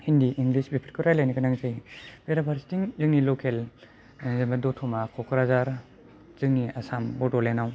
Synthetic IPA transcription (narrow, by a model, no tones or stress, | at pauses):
hindiʔiŋlisbepʰɾkɯɾajlajnikanaŋzɯjb̥eɾabaɾstiŋzɯŋnilɔkʰel | zembadɔtʰɔmakʰɔkʰɾazaɾ | z̥ɯŋniasambɔdɔlenaw